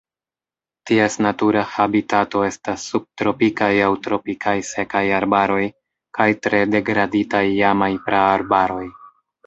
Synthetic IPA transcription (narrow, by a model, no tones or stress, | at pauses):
tiesnatuɾahabitato̞e̞stasːub̚tɾo̞pikajawtɾo̞pikʰajse̞kajaɾbaɾo̞j | kajtɾe̞de̞ɡɾaditajːamajpɾaːɾbaɾo̞j